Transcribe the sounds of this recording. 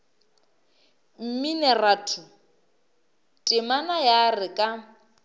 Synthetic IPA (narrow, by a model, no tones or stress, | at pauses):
m̩minɛratʰʊ | tʼɪmanajarɪkʼa